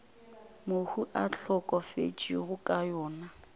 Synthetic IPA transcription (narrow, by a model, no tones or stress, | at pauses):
mohuʔaɬɔkʼɔfḛt͡ʃiɣʊkʼajɔːna